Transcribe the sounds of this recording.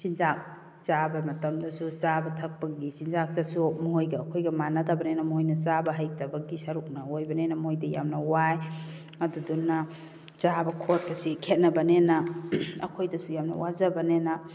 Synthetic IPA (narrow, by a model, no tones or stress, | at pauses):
sinzak̚ | t͡ʃabɐmɐtɐmdɐsut͡ʃabɐtʰɐk̚pɐɡisinzak̚dɐsumɦojɡɐːkʰojɡɐmanɐtʰabɐnenɐmɐɦojnɐt͡ʃabɐɦaj̚tɐbɐɡisɐɾuk̚nɐojbɐnenɐmojdɐja̰mnɐwaj | ɐdudunːɐ | t͡ʃabɐkʰot̚pʰɐsikʰet̚nɐbɐnenɐɐ̰kʰojdɐsujamnɐ̰wazɐbɐnenɐ